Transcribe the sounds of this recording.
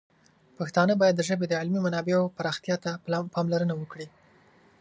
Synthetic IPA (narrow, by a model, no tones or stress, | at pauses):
paxt̪ɑnəbɑjad̪ːəʒəbed̪əʕɪlmimanɑbeopaɾɑxt̪jɑt̪apɑmlaɾənawəkɽi